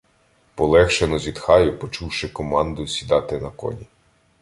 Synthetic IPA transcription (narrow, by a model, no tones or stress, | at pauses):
pɔlˠɛxʃenɔzʲid̪xɑjʊpɔt͡ʃuwʃɪkɔmɑnd̪ʊsʲid̪ɑt̪ɪnɐkɔ̰nʲi